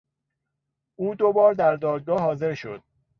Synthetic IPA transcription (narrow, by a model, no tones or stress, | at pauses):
ʔuːd̪obɒːɾd̪æɾd̪ɒːd̪̚ɡɒːɦɒːze̞ɾʃo̞̰d̪̥̚